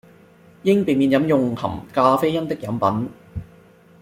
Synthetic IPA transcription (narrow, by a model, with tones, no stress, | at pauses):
jɪ˥ŋpiː˨˩miː˨˧njɐ˨˥mjʊ˨ŋhɐ̰˨˩mkaː˧fe˥jɐ˥nt̪ɪ˥k̚jɐ˨˧˥mpɐ˨˥n